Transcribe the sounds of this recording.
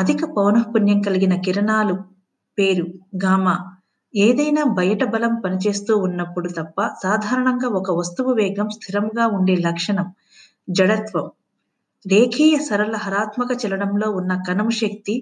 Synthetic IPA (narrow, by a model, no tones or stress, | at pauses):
ɐd̪ʱikɐpɐwnɐɦpunjɐŋkɐliɡinɐkiɾɐɳaːlu | peːɾuɡaːmaː | eːd̪ɐjnaːbʱɐjɐʈɐbɐlɐmpɐnit͡ʃe̞ːst̪uːunːɐpːuɽut̪ɐpːɐsaːd̪ʱaːɾɐɳɐŋɡaːɔkɐʋɐst̪uʋɐʋɛːɡɐmst̪ʰiɾɐmɡaːuɳɖeːlɐkʂɐɳɐm | d͡ʒɐɽɐt̪ʋɐm | ɾeːkʰiːjɐsɐɾɐlɐɦɐɾaːt̪mɐkɐt͡ʃɛlɐɽɐmlo̞ːunːɐkɐnɐmuʃɐk̚t̪i